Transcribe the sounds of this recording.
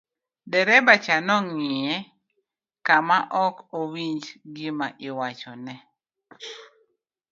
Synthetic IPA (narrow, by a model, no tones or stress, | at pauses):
dɛɾɛbat͡ʃanɔŋɪɛ | kamaʔɔkowiɲd͡ʒɡimaʔɪwat͡ʃɔnɛ